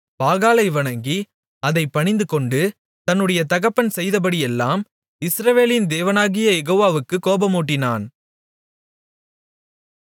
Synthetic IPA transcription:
paːɣaːlɐɪʋɐɳɐŋɡi | ɐðɐɪpːɐɳɪnd̪ɯkɔɳɖɯ | t̪ɐnːɯɽɐjɐt̪ɐɣɐpːɐnsɛjðɐpɐɽɪjɛlːaːm | ɪsɾɐʋeːlɪnd̪eːʋɐnaːɣɪjɐjɛɣoːʋaːʋɯkːɯkːoːbɐmuːʈːɪnaːn

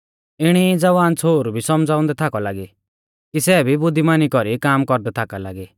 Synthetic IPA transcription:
ɪɽ̃id͡zɐʋaːnt͡sʰoːɾbʱisɔmd͡zaːʊ̃nd̪ɛt̪ʰakɔlaːɡi | kisɛːbʱibʊd̪ʱimaːnikɔɾikaːmkɔɾd̪ɛt̪ʰakalaːɡi

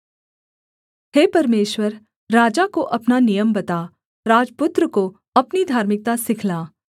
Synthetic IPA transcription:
heːpɐɾmeːʃwəɾː | aːd͡ʒakoʔɐpnanijəmbɐt̪a | ɾaːd͡ʒpʊt̪ɾəko | ɐpnid̪ʱaːɾmɪk̚t̪asɪkʰlaː

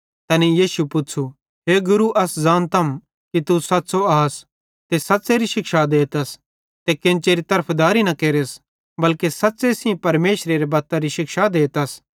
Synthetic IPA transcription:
t̪ɐːnijiːsupʊtːt͡ʃʰu | ɦeːɡʊɾuʔɐszaːnt̪ʰɐm | kit̪usɐtːsoaːs | t̪esɐt̪ːseɾiʃɪkʃad̪eːt̪ɐs | t̪ekɪ̃nt͡ʃeːɾit̪ɐɾəpʰd̪aːɾinɐkeːɾes | bɐlkesɐt̪ːsesĩpɐɾmeːʃɾeɾebɐt̪aɾiʃɪkʃad̪eːt̪ɐs

